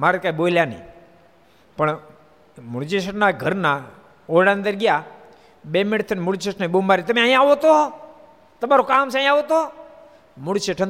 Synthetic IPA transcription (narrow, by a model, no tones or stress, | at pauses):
maɾət̪̚kaiboljanə̰i | pəɳ | muɽt͡ʃesəʈnaɡʱəɾna | oɽãnd̪əɾɡja | bemeɽt̪ʰənmuɽt͡ʃesʰnaibumbaɾit̪əmĩaĩaʋot̪o | t̪əmaɾokaːmsãĩaʋot̪o | muɽt͡ʃeʈʰən